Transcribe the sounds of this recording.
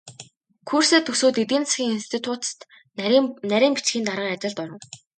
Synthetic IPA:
kʰurseːt̪ɵsoːt̪et̪iːnt͡ssɡʲiːŋinst̪ʰit̪ʰuːt̪t̪ | næɾʲiːmpit͡sɡʲiːnt̪aɾə̆ŋat͡ɕɪ̆ɮt̪ʊɾə̆n

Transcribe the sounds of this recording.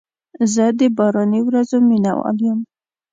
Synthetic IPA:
zəd̪əbɑɾɑniwɾazomina̰wɑ̰ljəm

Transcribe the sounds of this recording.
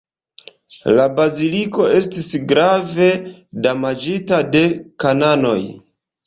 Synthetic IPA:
labaziliko̞e̞stisɡɾave̞damad͡ʒitade̞kanano̞̰j

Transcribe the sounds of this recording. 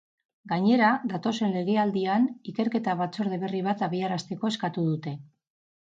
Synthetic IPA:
ɡaɲe̞ɾad̪at̪o̞se̞nle̞ɣ̞e̞ald̪ianike̞ɾke̞t̪aβ̞at͡so̞ɾð̞eβe̞riβ̞at̪aβ̞iaɾast̪e̞ko̞e̞skat̪uðut̪e̞

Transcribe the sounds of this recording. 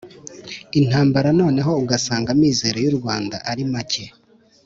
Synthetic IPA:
in̥haːmbaɾano̞ːne̞ɦo̞uɡasaːŋɡamiːze̞ːɾojuɾɡwaːnda̰ʔaɾimace̞

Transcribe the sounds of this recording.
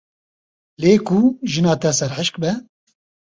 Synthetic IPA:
leːkuʒɨnɑːt̪ɛsɛɾħɨʃk̚bɛ

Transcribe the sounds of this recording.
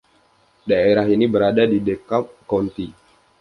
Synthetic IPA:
daeɾaɦinibəɾadadidekap̚kɔnt̪i

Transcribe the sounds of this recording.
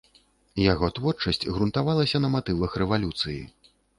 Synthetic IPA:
jaɣɔt̪vɔrt͡ʂɐsʲt͡sʲɣɾunt̪avalˠɐsʲɐnɐmat̪ɨvɐxrɛvalʲut̪sɨjḭ

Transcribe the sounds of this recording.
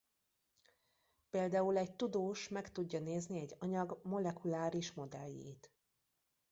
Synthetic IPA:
peːld̪aːulɛɟt̪ud̪oːʃmɛkt̪uɟːɒneːzniɛɟːɒɲɒɡmo̞lɛkulaːɾiʃmo̞d̪ɛ̰lːḛːt̪

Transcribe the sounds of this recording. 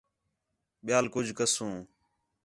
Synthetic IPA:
ɓɪjaːlkʊd͡ʒʱkəsũː

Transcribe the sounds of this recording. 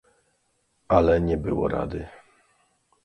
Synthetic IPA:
alɛɲɛbɘwɔ̰ɾa̰d̪ɘ

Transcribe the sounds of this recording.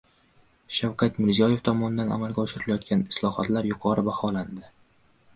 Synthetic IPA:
ʃawkʰʲat̪mɪɾzijɒje̞ft̪ʰɒmɒnɪd̪ana̰malɡʲaɒʃɪɾɪlajɒt̪̚kʲanɪslˠɒhɒ̰t̪laɾjʊqʰɒɾɪbahɒland̪ɪ

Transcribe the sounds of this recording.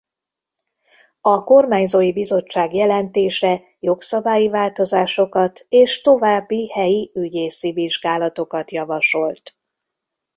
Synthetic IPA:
ɒko̞rmaːɲzoːjibizo̞t͡ʃːaːɡjɛlɛnt̪eːʃɛ | jo̞ksɒbaːjivaːlt̪o̞zaːʃo̞kɒt̪eːʃt̪o̞vaːbːihɛjiyɟeːsiviʒɡaːlɒt̪o̞kɒt̪jɒvɒʃo̞lt̪

